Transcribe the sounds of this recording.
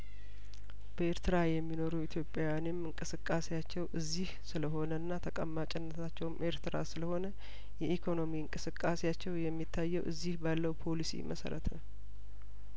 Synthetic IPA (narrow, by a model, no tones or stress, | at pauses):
b̥əe̞ɾt̪ʰɨɾajɛmːino̞ɾuit̪ʰjo̞pʼːjajanemɨŋkʼɨsɨkʼːasejat͡ʃːɛwʔɨzːihsɨləɦo̞nəɨnːat̪ʰəkʼəmːat͡ʃʼɪnːət̪ʰat͡ʃːɛwmʔe̞ɾt̪ʰɨɾa̰sɨləho̞nə | jɛʔikʰo̞no̞miɨŋkʼɨsɨkʼːasejat͡ʃːɛwjɛmːit̪ʰːajːɛwʔɨzːihbalːəwpʰo̞lisḭmə̰sə̰ɾə̰t̪ʰə